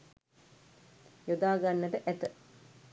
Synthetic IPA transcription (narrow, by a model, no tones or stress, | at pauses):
jod̪aːɡanːəʈəʔæt̪ə